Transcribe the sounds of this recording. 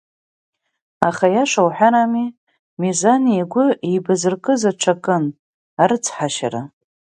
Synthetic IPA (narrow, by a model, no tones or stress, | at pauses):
aχajaʂawħʷᶣaɾami | mezanijaɡʷʊejbazɨrkʼɨzaʈ͡ʂʰakʼɨn | aɾɨt͡sʰħaʃa̰ɾa̰